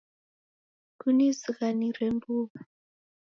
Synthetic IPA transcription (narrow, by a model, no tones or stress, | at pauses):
kunizikanirembuːɓa